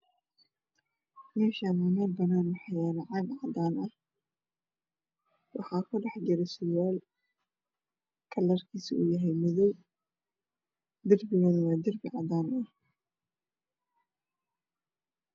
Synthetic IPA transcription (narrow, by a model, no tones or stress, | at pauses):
mɛːʃaːnɛmɛːbɐnaːnmɑħjaːlɐʕɑɡʕɑd̪aːnʔɐh | wɑħɑːkʰʊɖɑħd͡ʒɪɾɛsʊjaːl | kʰɐlːɐrkʰiːsḭʔṵːjɐɦɛjmɪðɔw | d̪ɐrbɪɣɛnɐwaːd̪ɪrbɪʕɑ̰d̪aːnɐh